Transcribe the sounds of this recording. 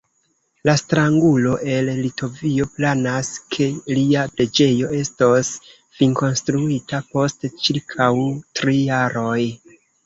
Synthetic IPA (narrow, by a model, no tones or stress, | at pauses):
lastɾaŋɡulo̞ʔe̞lːitʰo̞vio̞planaskʰe̞liapɾe̞d͡ʒe̞jo̞e̞sto̞s | fiŋko̞nstɾuitapo̞stt͡ʃiɾkʰawtɾijaɾo̞j